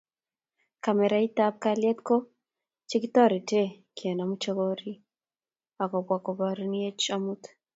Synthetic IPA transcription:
ka˨mɛ˨ɾa˦i˦t̪a˦p̚kaljɛ˦t̪ko˦ | t͡ʃɪ˦kit̪ɔ˦ɾi˨te˦ | kʰjɛ˨na˨mu˦t͡ʃo˦ɡo˦ɾi˦ | a˨kɔ˨bwa˨kɔ˨ba˨ɾn˦e˦t͡ʃamu˦t̪

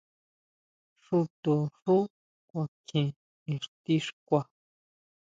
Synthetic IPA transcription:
ʂu˧t̪u˨ʂu˦ | kʷã˧kʰĩ˧ | ĩ˧ʂt̪i˦ʂkʷa˧˨

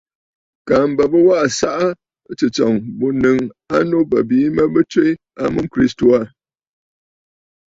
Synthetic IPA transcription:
ka˨m˨bə˨bɨ˦wa˦ʔa˨sa˦ʔa˦ | t͡ʃɨ˨t͡sɔ˨ŋbu˨nɨ˨ŋa˦no˦bə̰˨biː˨˦mə˦bɨ˦twe˦ | a˦mɨ˦m˦kɾi˦sto˨a˦˨

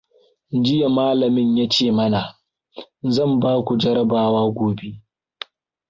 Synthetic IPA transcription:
d͡ʒɪ˦ja˨maː˦lɐ˨mɪ˦ɲjaː˦t͡ʃeː˦˨mɐ˦na˨ | zɐ˦˨mbaː˦kʷu˨d͡ʒɐ˦ɽɐ˦baː˨waː˦ɡʷoː˨be˦ʔ

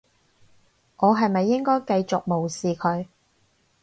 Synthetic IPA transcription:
ŋʔɔː˨˧ɦɐ˨jmɐ˨jːɪ˥ŋkɔː˥jkɐ˧jt͡sʊ˨k̚mo˨wsiː˨kʰɵ˨˧ɥ

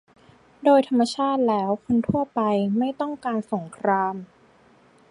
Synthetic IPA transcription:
doː˧jt̪ʰa˧mːa˧t͡ɕʰaː˥˩t̪̚lɛː˦˥wkʰo˧nt̪ʰu˥˩ɐpa˧jma˥˩jt̪ɔ˥˩ŋkaː˧nso˩˦ŋkʰɾaː˧m

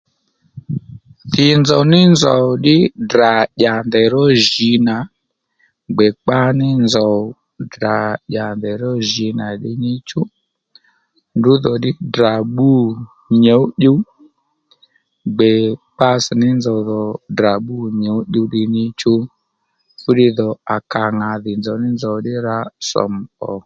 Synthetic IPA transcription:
tɪ˨nzɔ˨nɪ˦nzɔ˨ɗɪ˦dɾa˨ʄa˨ndɛ˨ɾɔ˦ʒi˨˧˦na˨ | ɡ͡bɛ˨k͡pa˦nɪ˦nzɔ˨ | da˨ɗa˨ndɛ˨ɾɔ˦ʒi˨˦na˨ɗɪ˧nɪ˦t͡ʃu˦ | ndu˨˦ðɔ˨dɪ˦da˨ɓu˦˨ | ɲo˨˦ɗu˦ | ɡ͡bɛ˨k͡pa˧snɪ˦nzɔ˨ðɔ˨dɾa˨ɓu˦˨ɲe˨˦ɗu˧ɗɪ˧ɲɪ˦t͡ʃu˦ | fu˦dɪ˧ðɔ˨a˨ka˨ŋa˨ðɪ˨nzɔ˨˦nɪ˦nzɔ˨dɪ˦ɾa˧sɔ̰˨m̩˨ɔ˨

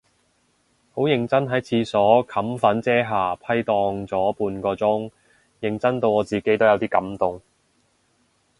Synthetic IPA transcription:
ho˨˥wjɪ˨˧ŋt͡sɐ˥nɦɐ˨˥jt͡sʰiː˧sɔː˨˥kʰɐ˨˥mfɐ˨˥nt͡sɛː˥ɦaː˨˩pʰɐ˥jt̪ɔː˧ŋt͡sɔː˨˥puː˧nkɔː˧t͡sʊ˥ŋ | jɪ˨˧ŋt͡sɐ˥nt̪o˧wɔː˨˧t͡siː˨ke˨˥jt̪o˥wjɐ˨˧wt̪iː˥kɐ˨˥mt̪ʊ˨ŋ

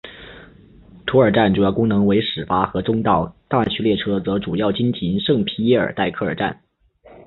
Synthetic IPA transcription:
t̪ʰu˥ə˞˨˩ʈ͡ʂa˥˩nʈ͡ʂu˨˩jɑ˥˩ʊkʊ˥ŋnɤ˧˥ŋwe˧˥ɪʂɻ̩˨˩fa˥xɤ˧˥ʈ͡ʂʊ˥ŋt̪ɑ˥˩ʊt̪a˥˩t͡ɕʰy˥ljɛ˥˩ʈ͡ʂʰɤ˥t͡sɤ˧˥ʈ͡ʂu˨˩jɑ˥˩ʊt͡ɕi˥nt͡ɕʰi˧˥nʂɤ˥˩ŋpʰi˧˥ɛ˥˩ə̰˞˨˩t̪a˥˧ɪkʰɤ˥˩ə˞˨˩ʈ͡ʂa˥˩n

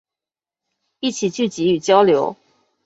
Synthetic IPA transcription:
i˥˩t͡ɕʰi˨˩t͡ɕy˥˩t͡ɕi˨˧˥y˨˩t͡ɕjɑ˥ʊljo˧˦˥ʊ

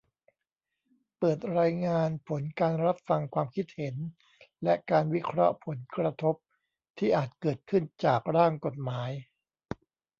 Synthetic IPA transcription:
pɤː˨˩t̪̚ɾaː˧jŋaː˧npʰo˩˦nkaː˧nɾa˦˥p̚fa˧ŋkʰwaː˧mkʰi˦˥t̪̚he˩˦n | lɛ˦˥kaː˧nwi˦˥kʰɾɔ̰˦˥pʰo˩˦nkɾa˧t̪ʰo˦˥p̚ | t̪ʰiː˥˩ʔaː˨˩t̪̚kɤː˨˩t̪̚kʰɯ˥˩nt͡ɕaː˨˩k̚ɾaː˥˩ŋko˨˩t̪̚maː˩˦j

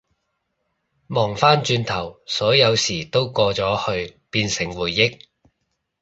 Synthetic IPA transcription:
mɔː˨˩ŋfaː˥nt͡ʃyː˧nt̪ʰɐ˨˩wsɔː˨˥jɐ˨˧wsiː˨˩t̪o˥wkɔː˧t͡sɔː˨˥hɵ˧ɥpiː˧nsɪ˨˩ŋwuː˨˩jːɪ˥k̚

